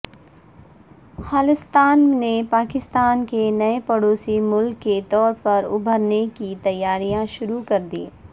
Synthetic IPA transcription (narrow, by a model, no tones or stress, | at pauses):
xaːlɪst̪aːnnepaːkɪst̪aːnkenɐepɐɽoːsimʊlkːet̪ɔːɾpɐɾʊ̰bʱəɾnekit̪ɐjːaːɾijãʃʊɾukɐɾd̪ḭː